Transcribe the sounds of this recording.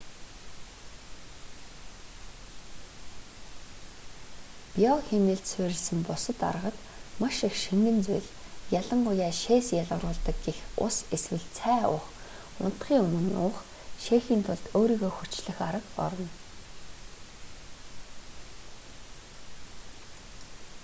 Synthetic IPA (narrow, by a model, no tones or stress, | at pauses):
pijɔxemɘ̆ɮt̪sʊːɾʲɪ̆ɮsɘ̆mpʊsə̆t̪a̰rəʁə̆t̪ | maʃixʃiŋɡɘ̆nt͡sʊjɮ | jaɮə̆ɴɢʊjaːʃeːsjaɮʁə̆ɾʊːɮt̪ə̆k̚ɡexʊ̰seswɘ̆ɮt͡sʰæːʊ̰χ | ʊ̰n̥t̪χiːŋɵmɵ̆niʊ̰ɴχ | ʃeːxiːnt̪ʰʊɮt̪oːɾiːɣoːxut͡ɕɮɘ̆xaɾə̆kɔ̰ɾɞ̆n